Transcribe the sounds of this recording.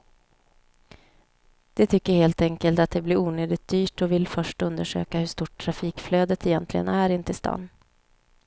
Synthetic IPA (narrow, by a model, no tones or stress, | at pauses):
d̪̥ɛt̪ʰʏkːəɾheːlt̪ɛŋkəlt̪at̪̚d̪ɛblɪɾuːnøːd̪ɪt̪̚d̪yːʈɔvɪlfœʂʈɵnd̪əʂø̰ːkahɵʂt̪uːʈʰːɾafiːkfløːd̪ət̪ʰɛjɛnt̪ʰlɪɡə̰næɾɪnt̪əɪst̪ɑ̰ːn